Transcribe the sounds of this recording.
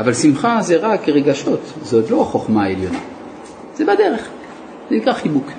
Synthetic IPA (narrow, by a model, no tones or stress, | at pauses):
avalsimχazeʁakeʁeɡaʃo̞t̪zot̪lo̞aχo̞χmaeljo̞na̰ | zebade̞ʁe̞χ | zenikʁaχibuk